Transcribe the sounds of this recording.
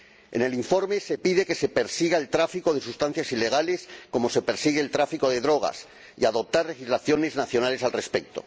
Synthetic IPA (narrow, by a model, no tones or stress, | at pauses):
ḛne̞liɱfo̞ɾme̞se̞piðe̞ke̞se̞peɾsiɣae̞lt̪ɾafiko̞ðe̞sust̪an̟θjasile̞ɣ̞ale̞sko̞mo̞se̞pe̞ɾsiɣ̞eːlt̪ɾafiko̞ðe̞ðɾo̞ɣ̞a̰s | ḭaðo̞p̚t̪aɾle̞xizlaθjo̞ne̞znaθjo̞nale̞salre̞spe̞k̚t̪o̞̰